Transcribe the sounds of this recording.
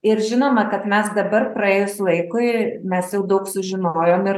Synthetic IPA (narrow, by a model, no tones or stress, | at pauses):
ɪɾʒʲɪnoːmɐkɐt̪mʲɛsd̪ɐbɐrpɾɐeːjoslˠɐɪkʊɪmʲɛsjɛʊd̪ɐʊksʊʒʲɪnoːjoːmɪɾ